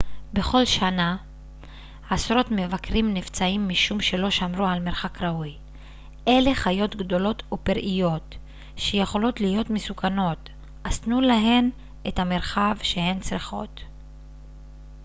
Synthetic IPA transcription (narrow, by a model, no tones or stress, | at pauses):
be̞χo̞lʃana | asʁɾo̞tme̞vakʁimnift͡saimːiʃumʃe̞lo̞ʃamɾualmeɾχakʁauj | ʔe̞le̞χajo̞tɡdo̞lo̞tupiɾʔijo̞t | ʃejeχo̞lo̞tlijo̞tmesukʰano̞t | ʔastnulaɦe̞n | ʔethameʁχavʃe̞he̞nt͡sʁiχo̞̰t